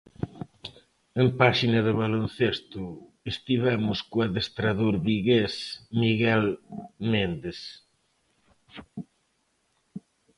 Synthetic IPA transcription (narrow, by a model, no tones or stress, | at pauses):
empaʃinɐðɪβalon̟θest̪ʊ | est̪iβamʊskoaðest̪ɾaðoɾβiɣesmiɣɛlmend̪es